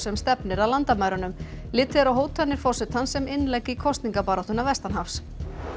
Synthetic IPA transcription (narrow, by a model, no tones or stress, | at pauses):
sɛmst̪ɛpnɪɾawlant̪amaɥɾanʏm | lɪːt̪ɪɾawɦoːwt̪hanːɪɾ̥fɔrsʏt̪hansɛmɪnːlɛjkɪkʰɔst̪niŋkapaːɾɔht̪ʏnːavɛst̪anhafs